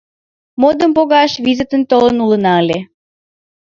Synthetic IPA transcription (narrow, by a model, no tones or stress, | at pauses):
mod̪əmpoɣɑʃvizət̪ənt̪olənulənɑəlʲe